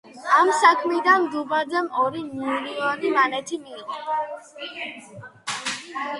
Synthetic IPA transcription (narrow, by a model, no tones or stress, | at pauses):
amsakʰmid̪anmd̪ubad̪ɛmɔɾinuɾianimanɛt̪ʰimiːʁɔ